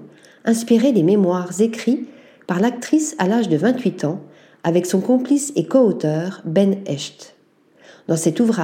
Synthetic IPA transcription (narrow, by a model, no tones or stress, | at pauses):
ɛ̃spiʁed̪ememwaʁzekχi | paʁlak̚t̪χisalaʒd̪əvɛ̃t̪ɥit̪ʰɑ̃ | avɛksɔ̃kɔ̃plisekɔot̪œːʁbɛnɛʃt̪ | d̪ɑ̃sɛt̪uvʁa